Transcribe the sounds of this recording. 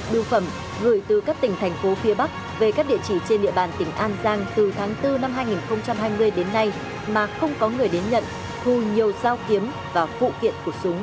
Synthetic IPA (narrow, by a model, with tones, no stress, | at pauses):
ɗɨ˧˩wfə˧˩m | ɣɨ˧˩jt̪ɨ˨˩kaː˦˥k̚t̪ï˧˩ŋ̟t̪ʰɛ˨˩jŋ̟fo˨˦fi˨˦əɓa˦˥k̚ | ve˨˩kaː˦˥k̚ɗḭ˧˨ət͡ɕi˧˩t͡ɕe˧nɗḭ˧əɓaː˨˩nt̪ï˧˩ŋ̟ʔaː˧nzaː˧ŋt̪ɨ˨˩t̪ʰaː˨˦ŋt̪ɨ˧na˧mɦaː˧jŋi˨˩nxə˧wŋ͡mt͡ɕa˧mɦaː˧jmɨ˧əjɗe˨˦nːa˧j | maː˨˩xə˧wŋ͡mkɔ˨˦ŋɨ˨˩əjɗe˨˦nɲə̰˧˨n | t̪ʰu˨˧˩ɲi˨˩əwzaː˧wki˨˦əm | vaː˨˩fṵ˧˨kḭ˧˨ənku˧˩əsʊ˨˦ŋ͡m